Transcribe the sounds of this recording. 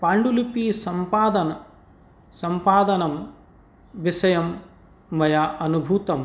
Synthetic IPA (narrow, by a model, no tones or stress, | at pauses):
paːɳɖulipiːsɐmpaːd̪ɐnɐ | sɐmpaːd̪ɐnɐm | ʋisɐjɐmː | ɐjaʔɐnubʱuːt̪ɐm